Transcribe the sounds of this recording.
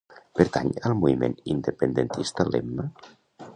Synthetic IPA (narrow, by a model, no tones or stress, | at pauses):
pəɾt̪aɲəlˠmuimḛnind̪əpənd̪ənt̪ist̪əlemmə